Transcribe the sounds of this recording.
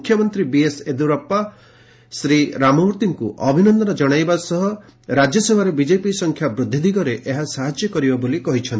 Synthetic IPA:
kʰːjɔmɔnt̪ɾibiesed̪uɾɔpːa | sɾiɾamɔɦuɾt̪iŋkuʔɔbʱinɔnd̪ɔnɔd͡ʒɔɽ̃ajbasɔɦɔ | ɾad͡ʒjɔsebʱaɾebid͡ʒepisɔŋkʰjabɾud̪ʱːid̪iɡɔɾeʔeɦasaɦad͡ʒjɔkɔɾibabolikɔɦit͡ʃʰɔnt̪i

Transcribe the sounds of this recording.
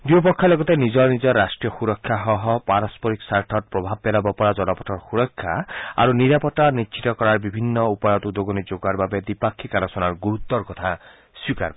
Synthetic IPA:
d̪uopɔkʰːalɔɡɔt̪enid͡ʒɔnid͡ʒɔɾasʈɾijɔxuɾɔkʰːjaɦɔɦɔpaɾɔspɔɾiksaɾʈʰɔt̪̚pɾɔbʱab̚ːɛlabɔpɔɾad͡ʒɔnɔpɔʈʰɔɾxuɾɔkʰːjaa̰ɾuniɾapɔʈanitːt͡ʃʰit̪ɔkɔɾaɾbibʱinːɔupɔjɔt̪ud̪oɡɔnid͡ʒoɡaɾbabed̪ipakʰːikalɔsɔnaɾɡuɾut̪ːɔɾkɔt̪ʰa | swika̰ɾb

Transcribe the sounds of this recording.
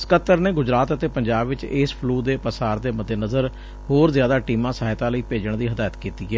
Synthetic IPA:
skət̪ːəɾneːɡʊd͡ʒɾaːt̪ət̪eːpəɲd͡ʒaːbʋɪt͡ʃɪspʰluːd̪eːpəsaːɾd̪eːməd̪enəzəɾ | hoːɾzjaːd̪aːʈiːmãːsaːɦɪt̪ãːləiːpeːd͡ʒəɳd̪iːɦəd̪aːjət̪kiːt̪iːɛː

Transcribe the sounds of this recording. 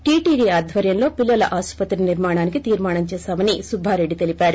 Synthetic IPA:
ʈiːʈiːɖiaːd̪ʱʋɐɾjɐmlo̞ːpilːɐlɐʔaːspɐt̪ɾiniɾmaːɳ̃aːnikit̪iːɾmaːɳɐmt͡ʃɛːʃaːmɐnisubʱaːɾe̞ɖːit̪e̞lipaːɾu

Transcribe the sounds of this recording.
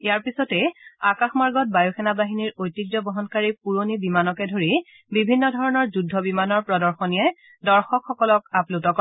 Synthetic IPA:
eaɹpisɔtɛakaxmaɹɡɔt̚bajoxɛnabaɦiniɹojtːiɡdɔbɔɦɔnkaɹipuɹonibimanɔkɛdʱoɹi | bibʱinːɔdʱɔɹɔnɔɹzudʱːɔbimanɔɹpɹɔdɔɹxɔnijɛ | dɔɹxɔkʰxɔkɔlɔkaplutɔk

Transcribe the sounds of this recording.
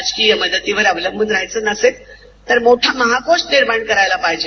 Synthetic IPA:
d͡ʑkijəməd̪ət̪iʋəɾəʋləmmənɾaɦjt͡sənəset̪ː | əɾmoʈʰaməɦakoʂʈniɾmaɳkəɾajlapaɦd͡ʑe

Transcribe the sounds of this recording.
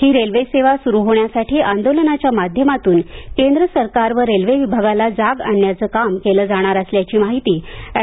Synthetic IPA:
hiːɾelʋeseʋasuɾuɦoɳjasaʈiːʔand̪olənat͡ɕjamad̪ʱjəmat̪uːnkend̪ɾəsəɾkaɾʋəɾːelʋeʋibʱaɡalad͡zaɡaɳjat͡səːkamkeləːd͡zaɽ̃aɾəsljat͡ɕiːmaɦit̪iː

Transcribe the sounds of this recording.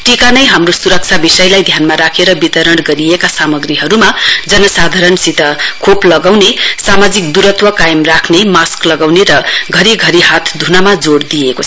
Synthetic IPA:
ʈikanʌjɦamrosuɾʌk̚t͡sʰabisʌjlajd̪ʱjanmaɾakʰeɾʌbit̪ʌɾʌɽɡʌɾiekasamʌɡriɦʌɾumad͡zʌnʌsad̪ʱaɾʌnsit̪ʌkʰoplʌɡawnesamad͡zikd̪uɾʌt̪wʌkajʌmrakʰnemasklʌɡawneɾʌɡʱʌɾiɡʱʌɾiɦat̪ʰd̪ʱunamad͡zoɽd̪ijekot͡sʰʌ

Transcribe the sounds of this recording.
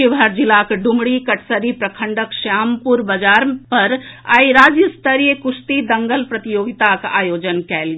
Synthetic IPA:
iʋɦəɾd͡ʒilakɖumɽikəʈʰsəɾipɾəkʰəɳɖəkʃaːmpuɾbəd͡ʒaɾpəɾaːiɾaːd͡ʒjəst̪əɾijəkust̪id̪əŋɡəlpɾət̪ijoːɡit̪aka̰ːjoːd͡ʒənkɛl

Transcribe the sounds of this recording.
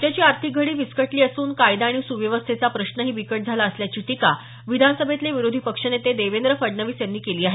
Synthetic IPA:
t̪jat͡ɕiːaɾt̪ʰiɡʱəɽiːʋiskəʈliːəsuːnkajd̪aːɽ̃isuʋjəʋəst̪ʰet͡sapɾəɕnəɦiːbikəʈ̚d͡zʱalaəsljat͡ɕiːʈika | ʋid̪ʱanəsəbʱet̪leʋiɾod̪ʱipəkʂənet̪ed̪eʋend̪ɾəfəɽnəʋiːsjanːiːkeliːaɦe

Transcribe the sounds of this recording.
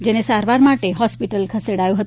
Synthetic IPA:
d͡ʒenesaɾʋaɾmaʈeɦɔspiʈəlkʰəseɽajũɦət̪

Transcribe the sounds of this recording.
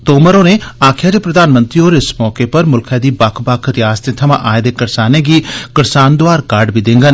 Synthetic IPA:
t̪oːməɾoːneːaːkʰɪjaːd̪eːpɾəd̪aːnmənt̪ɾioːɾɪsmɔːkeːpəɾmʊlkʰɛːd̪iːbakʰbakʰɾɪjaːst̪et̪ʰəmã̰ːʔaːed̪eːkəɾsaːnẽːɡiːkəɾsaːnd̪ʊaːɾkaɾɖbiːd̪ɪ̃ŋɡən

